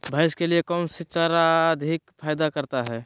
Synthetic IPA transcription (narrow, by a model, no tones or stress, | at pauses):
bʱaːɪʃkeliekɔːnsit̪aɾaːd̪ʱikpʰaːjd̪akɐɾt̪aɦɛː